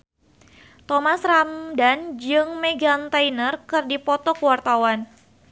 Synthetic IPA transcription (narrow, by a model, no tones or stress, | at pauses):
t̪ɔmasramdand͡ʒɨŋmeɡant̪ajnərkɨrdipɔt̪ɔkəwart̪awan